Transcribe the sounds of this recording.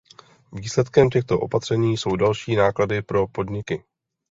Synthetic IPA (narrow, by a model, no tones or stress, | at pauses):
viːslɛt̪kɛmcɛxt̪o̞ʔo̞̰pat̪r̥ɛɲiːso̞wdalʃiːnaːkladɪpɾo̞po̞dɲɪkɪ